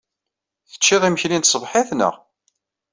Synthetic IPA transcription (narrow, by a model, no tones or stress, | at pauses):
θə̥t͡ʃːɪðˤiməçlint̪sˤəvħɪθnə̰ʁ